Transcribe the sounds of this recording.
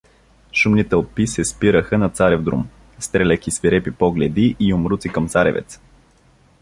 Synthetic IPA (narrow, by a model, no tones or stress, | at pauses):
ʃumnit̪ɛlˠpisɛspiɾəxənɐt̪saɾɛvd̪ɾṵm | st̪ɾɛlʲəkʲisviɾɛpipɔɡlɛd̪iʔiʊmɾut̪sikɐmt̪saɾɛ̰vɛ̰t̪s